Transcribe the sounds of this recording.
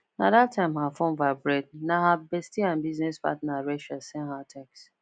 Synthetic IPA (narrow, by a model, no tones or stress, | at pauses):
na̰datʰːãɪ̃mɦafõnvabɾɛd̚naɦabestiãnbiznespa̰tnaɾeʃasɛ̃nɦatʰɛks